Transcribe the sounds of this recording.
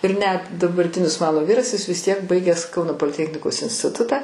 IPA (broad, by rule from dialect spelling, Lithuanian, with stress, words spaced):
ɪr nʲɛt dɐbɐrʲˈtʲɪnʲɪs ˈmɑːnoː ˈʋʲiːrɐs jɪs ʋʲɪs tʲiɛk ˈbɐɪɡʲæːs ˈkɐʊnoː poːlʲɪˈtʲæːxʲnʲɪkoːs ɪnʲsʲtʲɪˈtʊtɑː